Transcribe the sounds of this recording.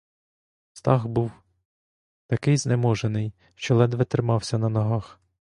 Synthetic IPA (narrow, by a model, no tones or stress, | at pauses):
st̪ɑɣbuw | t̪ɐkɪjznemɔʒenɪj | ʃt͡ʃɔlˠɛd̪ʋɛt̪ɾɪmɑwsʲɐnɐnɔɦɑx